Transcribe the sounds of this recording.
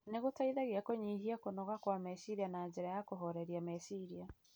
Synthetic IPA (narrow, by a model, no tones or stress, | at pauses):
neɣotaiðaɣeakoɲiɦiakonɔɣakwamesiɾianaɲd͡ʒeɾajakoɦɔɾɛɾiamesiɾia